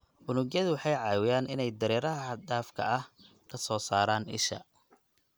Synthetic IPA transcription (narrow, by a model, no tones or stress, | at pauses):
ʔʊnʊɡjɐðʊwɑħɑjʕɑːwɪjaːnʔɪnɛjd̪ɐɾɛːɾɐɦɐɖ̪aːfkʰɐ̰ɐh | kʰɐsɔːsaːɾaːnɪ̰ʃɐ̰